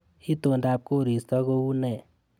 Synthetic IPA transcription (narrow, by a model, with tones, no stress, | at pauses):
i˦t̪o˨nda˨p̚ko˦ɾi˨st̪ɔ˦ko˧u˦nɛ˨